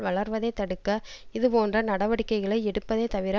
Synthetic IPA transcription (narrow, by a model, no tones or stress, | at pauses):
ʋɐɭɐɾʋɐðeːt̪ɐɽɯkːɐɪðɯpoːndrɐnɐɽɐʋɐɽɪkːɐɪɣɐɭɐɪɛɽɯpːɐðeːt̪ɐʋɪɾa